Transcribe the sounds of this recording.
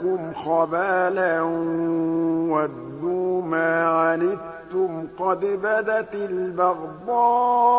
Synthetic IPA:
kʊmxabaːla | wad̪ːumaːʕanɪd̪ | t̪ʊmqɑd̪bad̪at̪ɪlbɑɣd̪ɑː

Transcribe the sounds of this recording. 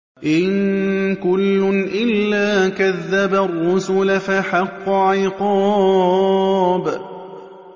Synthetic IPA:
ʔɪnkʊlːʊnʔɪlːaːkaðːabarˤːʊsʊlafaħɑqːʊʕɪjqɑː | b

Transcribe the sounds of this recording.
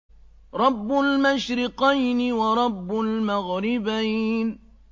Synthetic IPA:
ɾˤɑbːʊlmaʃɾɪqajnɪwɑɾˤɑbːʊlmaɣɾɪbajn

